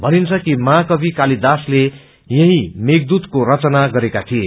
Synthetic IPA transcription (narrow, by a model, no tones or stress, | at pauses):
bʱʌnint͡sʰʌkimãkʌbʱikalid̪asle | jʌɦĩmeɡ̚d̪ut̪koɾʌt͡sʌnaɡʌɾekat̪ʰie